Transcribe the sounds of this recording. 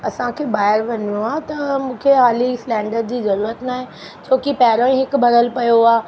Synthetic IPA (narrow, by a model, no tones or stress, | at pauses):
ɐsãkʰeːbaːɪəɾʋɐɲijũaːt̪ɐmũːkʰeɦaːlislɛ̃ːɳɖəɾɖd͡ʑiːzɐɾuːɾət̪naːɦẽ | t͡ɕʰoːkipɛːɦɾə̃ĩɦɪkbʱɐɾəlpɐjoaː